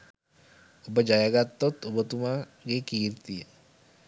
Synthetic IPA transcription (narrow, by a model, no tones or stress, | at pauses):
ubad͡ʒajaɡat̪ːɔt̪ubɔt̪uma | ɡekirt̪i